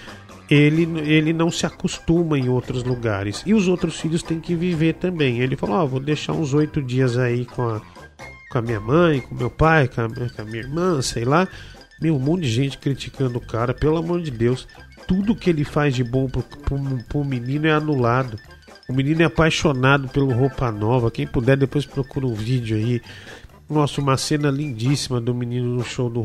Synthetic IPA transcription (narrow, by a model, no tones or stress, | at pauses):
elɪnelɪnɐ̃w̃sɪakost̪ũmɐẽj̃owt̪ɾʊzluɡaɾɪsɪʊzowt̪ɾʊsfiʎʊst̪ẽj̃kɪviveɾt̪ɐ̃mbẽj̃elɪfalɐ̃ɔvod̪eʃa̰ɾũzojt̪ʊd͡ʒiɐzaikõɐ | kõɐmĩɲɐmɐ̃j̃kõmewpajkõɐmkõɐmĩɲɐiɾmɐ̃sejla | mewmõd͡ʒɪʒẽnt͡ʃɪ̥kɾit͡ʃikɐ̃nd̪ʊʊkaɾɐpelamoɾd͡ʒɪd̪ews | t̪ud̪ʊkɪelɪfazd͡ʒɪbõw̃ppʊpɾʊminĩnʊɛanulad̪ʊ | ʊminĩnʊɛapajʃonad̪ʊpelʊɦopɐnɔvɐkẽj̃pud̪ɛd̪epojspɾokuɾɐũvid͡ʒʊai | nɔsʊũmɐsẽnɐlĩnd͡ʒisimɐd̪ʊminĩnʊnʊʃowd̪ʊ